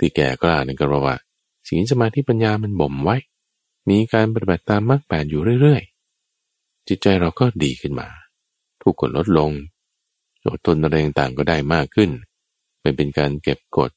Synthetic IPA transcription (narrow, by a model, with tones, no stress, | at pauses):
t̪ʰiː˧˩kɛ̰ː˨˩klaː˧˩na˧˥˩ŋkʰa˧pʰa˧˩wa̰ː˥˩ | siː˨˦ns̬a˧maː˧t̪ʰi˦˥˩pa˧njaː˧ma˧nbo˨˩mwa˦˥j | miː˧kaː˧npa˧t̪i˨ba˨˩t̪ːaː˧mːaː˥˩k̚pɛː˨˩t̪̚juː˨˩ɾɯ˥˩əjɾɯ˥˩əj | t͡ɕi˨˩t̪̚t͡ɕa˧jɾa˧wkɔː˥˩diː˧kʰɯ˥˩nma̰ː˧ | t̪ʰuː˨˩kʰːo˨˩n̚lo˦˥t̪̚lo˧ŋ | t͡ɕo̰ː˨˩t̪ʰːo˧nʔa˧ɾa˧jt̪a˨˩ŋt̪aː˨˩ŋk̬ɔː˥˩daː˥˩jmaː˥˩kʰːɯ˥˩n | pa˧jpe˧nkaː˧nke˨˩p̚ko̰˨˩t̪̚